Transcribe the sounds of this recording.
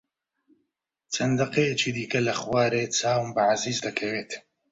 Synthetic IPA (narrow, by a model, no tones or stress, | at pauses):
t͡sʰɐnd̪ɐqeet͡ʃiːd̪iːkɐlɐχwaːɾeːt͡saːwmbɨʕaziːzd̪ɐkʰɐweːt̪